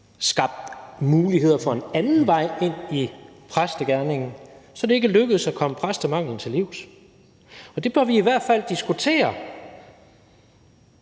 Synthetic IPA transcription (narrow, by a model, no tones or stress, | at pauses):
sɡ̥ɑ̈b̥̚d̥muːlihe̝ð̞̰ˠɐfɒ̽e̝nænn̩ʋɑ̈ɪ̰e̝n̰i | pʰʁasd̥əɡ̥æɐne̝ŋn̩sɒ̽d̥ɾe̝e̝ɡ̥əløɡ̥əð̩ˠsækʰɒ̽məpʰʁasd̥əmɑ̈ŋ̰ln̩t͡sʰe̝liʊ̰s | ɒ̽d̥e̝b̥ɶɐʋiːʋæɐ̰d̥fæl̰d̥isɡ̥ut͡sʰe̝̰ːɐ